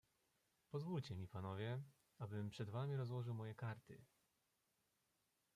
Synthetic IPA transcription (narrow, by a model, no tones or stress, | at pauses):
pɔzvult͡ɕɛmʲipanɔvʲjɛ | abɘmpʂɛd̪vamʲiɾɔzwɔʐɘwmɔjɛkaɾt̪ɘ̰